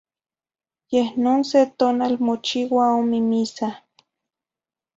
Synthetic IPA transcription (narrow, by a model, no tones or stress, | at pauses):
jehnoːnset̪oːnalmot͡ʃiwaomimisa